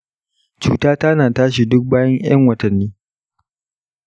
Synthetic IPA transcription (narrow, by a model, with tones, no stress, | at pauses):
t͡ʃṵː˨taː˦taː˦naː˨taː˦ʃi˨dʊ˦k̚baː˦jɐ˦ŋj̰ɐ̰˦ŋwɐ˨tɐ˨nːiː˦